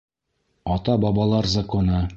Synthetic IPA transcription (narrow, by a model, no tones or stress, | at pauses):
ɒt̪ɑbɑbɑlˠɑɾzɐkonɤ